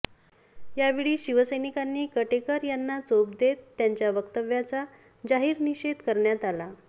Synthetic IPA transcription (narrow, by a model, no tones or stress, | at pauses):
jaʋiɭiːɕiʋəsəjnikanːiːkəʈekəɾjanːat͡sop̚d̪et̪ːjaɲt͡ɕjaʋəkt̪əʋjat͡sa | d͡ʑaɦiːɾniɕed̪kəɾɳjat̪ala